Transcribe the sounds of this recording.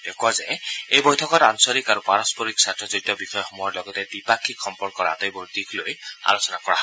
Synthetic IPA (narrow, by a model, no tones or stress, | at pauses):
dekazɛejbojtʰɔkɔtansɔɹikaɹupaɹɔspɔɹiksatɹɔzɹitɔbixɔjɔxɔmɔjɔɹlɔɡɔtɛdipakʰːikxɔmpɔɹd̚kɔɹa̰tejbɔɹtikloja̰losɔnakɔɹaɦɔ